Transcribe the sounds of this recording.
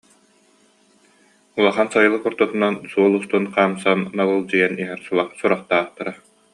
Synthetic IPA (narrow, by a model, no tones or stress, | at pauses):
ulˠɔχansajɯlˠɯkuɾt̪ut̪unansuɔlˠust̪unqaːmsanːalɯlˠd͡ʑijaniɦɛɾsulˠaχsuɾaχt̪aːχt̪aɾa